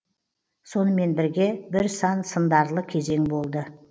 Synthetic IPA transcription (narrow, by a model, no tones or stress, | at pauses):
so̞nəme̞nbɪɾɡʲe̞bɪɾsɑnsənd̪ɑɾlˠəkʲʰe̞ze̞ŋbo̞lˠd̪ə